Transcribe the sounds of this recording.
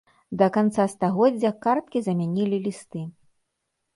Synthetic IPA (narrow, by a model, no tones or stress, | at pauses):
d̪ɐkant̪sast̪aɣɔdd͡zʲːɐkart̪̚kʲizɐmʲanʲilʲilʲist̪ɨ